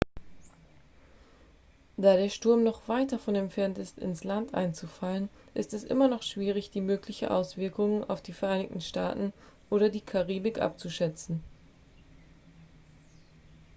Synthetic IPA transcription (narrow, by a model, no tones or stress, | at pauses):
d̥aːɾeːɐʃtʊɐmnɔχv̥aɪtdafɔnɛmtfɛɐntɪstɪ̰nslantʔa̰ɪnt͡sufalən | ʔɪ̰stɛsʔɪ̰mɐnɔχʃv̥iːʁ̞ɪçd̥iːmøːklɪçn̩ʔa̰ʊsv̥ɪɐkʊŋəna̰ʊfd̥iːfɛɐʔaɪnɪçtn̩ʃtaːtn̩ | ʔoːɾɐdiːkʰaʁiːbɪkʔa̰p̚t͡suʃɛt͡sn̩